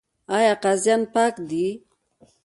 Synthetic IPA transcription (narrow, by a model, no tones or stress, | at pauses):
ajaqazjanpakd̪i